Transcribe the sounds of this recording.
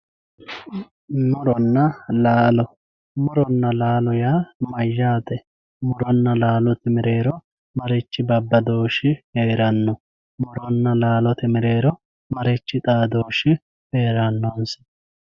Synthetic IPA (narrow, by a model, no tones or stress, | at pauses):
mʊɾɔnːɐlaːlɔ | mʊɾɔnːɐlaːlɔjaːmɐjːaːt̪ɛ | mʊɾɔnːɐlaːlɔt̪ɪmɪɾe̞ːɾɔ | mɐɾɛt͡ʃːɪbɐbːɐd̪o̞ːʃɪheːɾɐnːɔ | mʊɾɔnːɐlaːlɔt̪ɪmɪɾe̞ːɾɔ | mɐɾɛt͡ʃːɪt̪ʼaːd̪oːʃɪ | heːɾɐnːɔns